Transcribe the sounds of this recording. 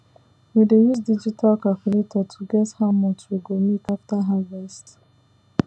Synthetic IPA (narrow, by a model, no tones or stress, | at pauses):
widejuzdid͡ʒitʰalkakilitʰɔtʰuɡɛthaʊmɔtwiɡomekaftaɦavɛst